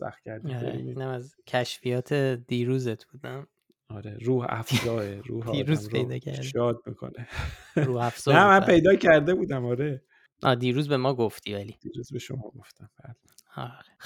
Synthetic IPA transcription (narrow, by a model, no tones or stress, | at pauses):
sæ̰xt̪cʰæɾdɾæeiːnæmæzcʰæʃfijɒːt̪ʰe̞d̪̥iːɾuːzet̪ʰb̥uːd̪æm | ɒːɾeɾuːhæ̰fzɒːeɾuːhdiːɾuːzpɾejd̪ɒːcʰæ̰ɾd̪eʃɒːd̪̚mḭːkʰo̰ne | ɾuːæfz̥onæmænpʰe̞jd̪ɒːcʰæɾd̪ebuːd̪æmɒːɾe | ʔɒːd̪iːɾuːzbe̞mɒːɡoft̪ʰivælid̪̥iːɾuːzbeʃo̰mɒ̰ːɡoft̪æmbæu | ɒɾexe